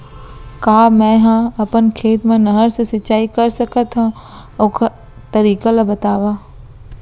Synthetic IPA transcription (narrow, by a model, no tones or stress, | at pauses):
kaːmɛ̃ɦãɐpənkʰeːt̪mẽnɐɦəɾsesɪt͡ʃaːikɐɾsɐkət̪ɦã | oːk | t̪ɐɾiːkalabɐt̪aːʋaː